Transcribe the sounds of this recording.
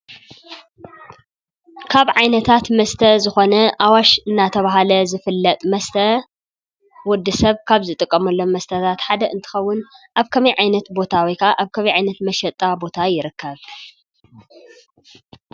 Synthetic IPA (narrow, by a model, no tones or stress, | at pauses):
kʰaβʕajnɐt̪ʰat̪mɐst̪ʰɐzɨxo̞nɐʔawaʃɨnːat̪ʰɐβaɦalɐzɨfɨlːɐt̪ʼmɐst̪ʰɐ | wɔd̪ːɨsɐβkʰaβzɨt̪ʼɨkʼːɐmɐlːo̞mːɐst̪ʰɐt̪ʰat̪ħad̪ɐɨnt̪ʰɨ̥xɐwːʊnʔaβkʰɐmɐjʕajnɐt̪bo̞t̪ʰawikʰaʔaβkʰɐmɐjʕajnɐt̪mɐʃɐt̪ʼːabo̞t̪ʰajɪɾɨkʰːɐβ